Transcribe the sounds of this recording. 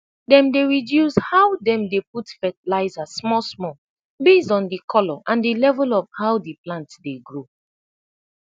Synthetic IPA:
dɛ̃mdeɹidjushaʊdɛ̃mdeputfɛtilaɪzasmɔsmɔ | besɔ̃ndikʰɔlɔʔãndilɛvulɔvhawdiplãntdeɡɹo

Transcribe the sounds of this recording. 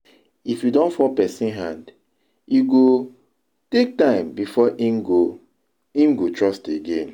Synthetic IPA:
ifjudɔ̃nfɔpɛsĩnɦãnd | jiɡo | tek̚tãɪ̃mbifɔʔinɡo | ĩnɡotɹɔsteɡẽn

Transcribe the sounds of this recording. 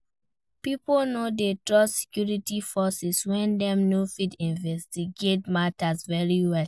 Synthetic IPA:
piponodetɹɔsi̥kjuɹitifɔsɛswɛ̃ndɛ̃mnofidĩnvɛstiɡetmatasvɛɹiwɛl

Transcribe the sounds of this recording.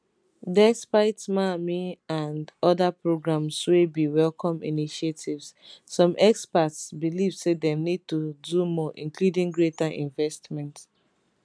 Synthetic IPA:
dɛspaɪtmamiãndɔðapɹoɡɹãmswebiwɛlkʰɔ̃mḭniʃetʰivssɔ̃mʔɛkspatsbilivsedɛmnid̚tudumɔʔĩnkludĩŋɡɹetaʔḭ̃nvɛstmɛ̃nt

